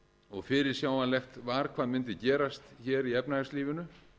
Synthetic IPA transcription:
ɔɣfɪɾɪɾ̥sjaːwanlɛxt̪vaːɾ̥kʰvaːðmʏnt̪ɪcɛːɾast̪çɛːɾiɛpnaɣsliːvɪnʏ

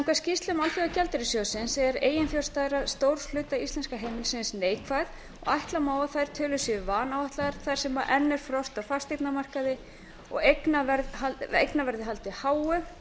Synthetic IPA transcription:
ŋkvascist̪lʏmalfiacɛlt̪ɪɾɪsjoːsɪnsɛɾeːjɪnfjolst̪aːðɾaðst̪owɾ̥sl̥ʏːt̪aist̪ɛnskaɦeːjmɪlsɪnsneːjkʰvajð | ɔ̰ɣajht̪lamaːwaθajɾ̥t̪ʰœːlʏsjɛvaːnawajht̪lavɛɾt̪θajɾ̥sɛmaʔɛnːɛɾ̥fɾɔst̪afast̪et̪namar̥kaðɪ | ɔ̰ɣeknavɛɾðhaḛjknavɛɾðɪɦalt̪ɪhaːwʏ

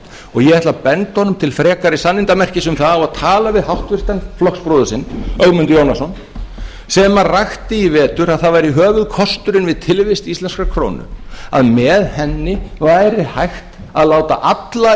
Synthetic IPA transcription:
ɔɣjɛɣɛht̪lapɛnt̪hɔnːʏmt̪ʰɪlfɾɛːkaɾɪsanːɪnt̪amɛr̥cɪsʏmθaðawaðt̪ʰaːlavɪðhawht̪vɪst̪anflɔkspɾoðʏsɪnːœɣmʏnt̪jownasɔn | sɛmarajxt̪ɪivɛːt̪ʏɾaðθavajɾiɦœːvʏðkʰɔst̪ʏɾɪnvɪðt̪ʰɪlvɪst̪ist̪lɛnskakʰɾo̰ːwnʏ̰a̰ðmɛðhɛnːɪvajɾɪhajxt̪aðlaːwt̪aʔat̪la

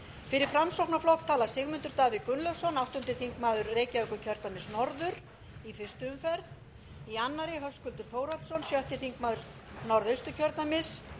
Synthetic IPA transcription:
fɪɾɪɾ̥fɾamsowpnaflɔhkt̪ʰaːlasɪɣmʏnt̪ʏɾt̪aːvɪkʏnlœwsɔnawht̪ʏnt̪ɪθiŋkmaːðʏɾreːjcaœkʏcʰœɾ̥t̪amɪsnɔɾðʏɾ̥ | ifɪr̥st̪ʏʏmfɛɾt̪ | ianːaɾɪɦœskʏlt̪ʏɾ̥foːwɾalt̪sɔnsjœht̪ɪθiŋkmaːðʏɾ | nɔɾðœjst̪ʏcʰœɾt̪namɪs

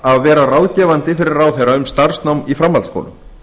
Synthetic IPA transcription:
aðvɛːɾarawðcɛːvant̪ɪfɪɾɪɾrawθejɾaʏmst̪aɾ̥snawmifɾamːalsko̰ːlʏ̰m

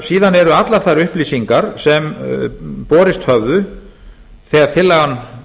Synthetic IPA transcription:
siːðanɛɾʏat̪laɾ̥θaɾʏhpliːsiŋkaɾ̥sɛm | pɔːɾɪst̪hœvðʏ | θɛɣaɾ̥t̪ʰɪlːaɣanː

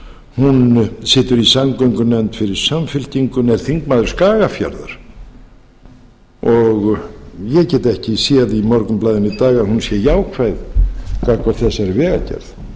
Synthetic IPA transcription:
hunsɪːt̪ʏɾisamkœɥŋkʏnɛnt̪fɪɾɪɾ̥samfɪl̥t̪iŋkʏnɛɾ̥θiŋkmaːðɾʏɾskaːɣafja̰ɾða̰ɾ̥ | ɔɣjɛcɛːt̪ɛhcɪsjɛðimɔɾkʏmplaːjðɪnit̪aːɣahunsjɛjaːwkʰvajðkʰakvaɾθɛsːaɛɾvɛːɣa̰cɛ̰ɾð

